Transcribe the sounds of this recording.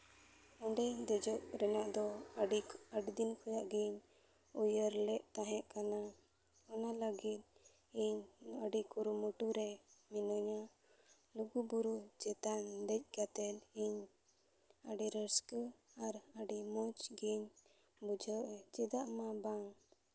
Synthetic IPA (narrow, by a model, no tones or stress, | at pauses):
ɔɳɖɛd̪ɛd͡ʒɔʔɾɛnaʔd̪ɔ | əɖid̪inkʰɔjaʔɡiɲ | ujəɾlɛʔt̪aɦɛ̃ʔkana | ɔnaləɡit̪̚ | iɲəɖikuɾuməʈuɾɛminɔɲa | luɡubuɾud͡ʒɛt̪and̪ɛc̚ɡat̪ɛt̪iɲ | əɖiɾəskəaɾəɖimɔt͡ʃɡiɲ | bud͡ʒʱəʔt͡ʃɛd̪aʔmabaŋ